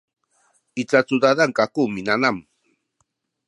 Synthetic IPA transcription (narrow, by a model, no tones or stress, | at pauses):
ɪt͡sat͡sʊd̪ad̪aŋkakumɪnanam